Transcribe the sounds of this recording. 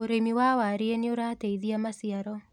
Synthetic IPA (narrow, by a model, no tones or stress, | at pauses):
oɾemiwawaɾeeneoɾaːteiðiamasiaɾɔ